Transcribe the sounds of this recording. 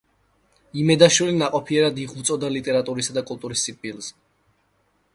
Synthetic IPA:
imɛd̪aʃwilinaqʼɔpʰiɛɾad̪iʁut̪sʼɔd̪alit̪ʼɛɾat̪ʼuɾisad̪akʼulˠt̪ʼuɾisːikʼbʼilˠz̥

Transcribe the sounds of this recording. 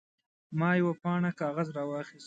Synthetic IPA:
mɑːjawapɑɳakɑːɣazɾɑwɑxis

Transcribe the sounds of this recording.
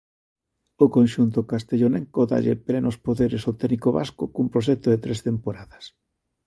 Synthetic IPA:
okonʃunt̪̬ʊkast̪eʎonɛŋkoða̰ʎḛplɛnospoðeɾɪsot̪ɛnikoβa̰skokumpɾoʃ̬ɛk̚t̪oðet̪ɾɛst̪empoɾaðɐs

